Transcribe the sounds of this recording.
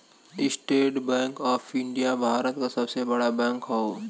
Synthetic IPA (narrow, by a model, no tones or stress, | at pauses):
ɪsʈeːʈbɛ̃ːŋkɔːfʰɪ̃ɳɖijabʱaːɾət̪kasɐbsebɐɽabɛ̃ːŋkɦooː